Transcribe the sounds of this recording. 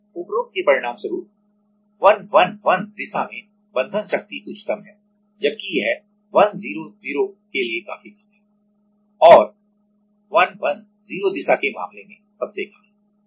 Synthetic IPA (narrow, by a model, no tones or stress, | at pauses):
ʊpɾoːk̚kepɐɾɪɽ̃aːmsɐɾuːp̚ | ʋɐnʋɐnʋɐnd̪ɪsamẽ | bɐ̃nd̪ʱənʃɐk̚t̪iʔʊt͡ʃʰɪ̥t̪əmɦɛː | d͡ʒɐb̚kijɦɛ | ʋɐnziːɾoziːɾokelieka̰ːfikɐə | ɔːɾ | ʋɐnʋɐn | ziːɾod̪ɪsakema̰ːmlemẽsɐbsekaːɛ̃